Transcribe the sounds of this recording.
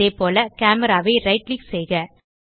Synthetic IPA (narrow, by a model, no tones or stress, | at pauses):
eːpoːlɐkaːmɛɾaːʋeːɾɐɪʈliːksɛjɣɐ